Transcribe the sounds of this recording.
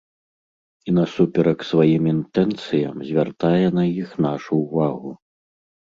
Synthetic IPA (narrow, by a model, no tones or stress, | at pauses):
inɐsupʲɛɾɐksvajimint̪ɛnt̪sɨjɐmzʲvʲart̪ajɛnɐjixnaʂuːvaɣu